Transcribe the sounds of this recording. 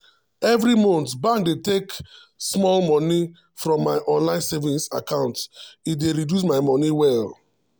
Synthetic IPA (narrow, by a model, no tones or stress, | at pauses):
ɛvɾimɔ̃ntbãŋk̚detek | smɔlmɔ̃ni | fɹɔ̃mːaɪʔɔ̃nlãɪ̃nsɛvĩnsa̰kãʊ̃ntitdeɹidjus̬maɪmɔniwɛl